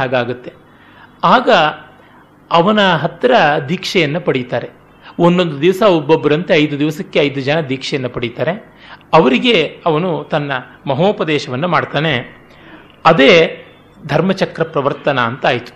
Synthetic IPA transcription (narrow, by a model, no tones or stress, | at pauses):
aːɡaːɡut̪ːe̞ | aːɡɐ | ɐʋɐnɐɦɐt̪ːɾɐd̪iːkʂɛjɐnːɐpɐɽit̪aːɾe̞ | onːo̞nd̪ud̪iʋɐsɐubːɐbɐɾɐnt̪eɐjd̪ud̪iʋɐsɐkːe̞ɐjd̪ud͡ʒɐnɐd̪iːkʂɛjɐnːɐpɐɽit̪aːɾe̞ | ɐʋɐɾiɡe̞ɐʋɐnut̪ɐnːɐmɐɦoːpɐd̪ɛːʃɐʋɐnːumaːɖt̪aːne | ɐd̪e̞ː | d̪ʱɐɾmɐt͡ʃɐkɾɐpɾɐʋɐɾt̪ɐnɐːnt̪ɐaːjt̪u̥